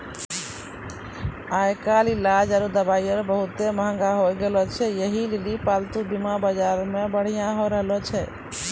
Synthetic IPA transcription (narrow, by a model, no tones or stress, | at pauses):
ajkalilad͡ʒaɾud̪əbajəɾbəɦut̪eməɦə̃ŋɡaɦojɡelɔt͡ʃʰɛjəɦilelipalt̪ubimabad͡ʒaɾmebəɽ̤ijãɦoɾəɦəlɔt͡ʃʰɛ